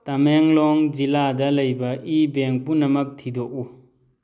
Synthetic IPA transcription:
tɐmeŋlɔŋd͡ʒiladɐlɐjbɐʔibeŋpunɐmɐk̚tʰidɔk̚u

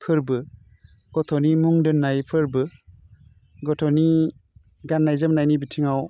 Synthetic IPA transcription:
pʰɯɾbɯ | ɡ̥ɔtʰɔnimuŋdɯnːajpʰɯɾbɯ | ɡɔtʰɔni | ɡanːajzɯmnajnibitʰiŋaw

